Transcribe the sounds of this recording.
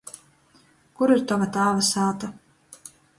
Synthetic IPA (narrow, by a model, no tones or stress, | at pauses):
kuɾiɾt̪avat̪aːvasaːt̪a